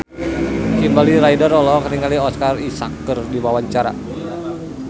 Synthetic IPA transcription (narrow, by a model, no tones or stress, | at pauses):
kimbalilaidəɾɔlɔkaniŋkaliɔskarisakːərdiwawaɲt͡ʃaɾa̰